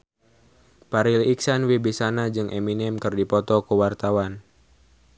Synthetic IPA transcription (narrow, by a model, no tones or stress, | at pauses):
paɾiliksanwibisanad͡ʒɨŋʔɛminɛmkɨrdipɔt̪ɔkuwart̪awan